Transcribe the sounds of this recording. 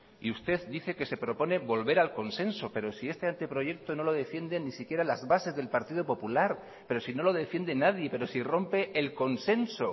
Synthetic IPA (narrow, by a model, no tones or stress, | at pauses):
ḭust̪e̞ðd̪iθe̞ke̞se̞pɾo̞po̞ne̞βo̞lβe̞ɾalko̞nse̞nso̞pe̞ɾo̞sie̞st̪e̞ant̪epɾo̞ʝe̞k̚t̪o̞no̞lo̞ð̞e̞fje̞nd̪e̞nisikje̞ɾalazβase̞zðe̞lpaɾt̪iðo̞po̞pulaɾ | pe̞ɾo̞sino̞lo̞ðe̞fje̞nd̪enaðje̞pe̞ɾo̞siro̞mpeʔːlko̞nse̞nso̞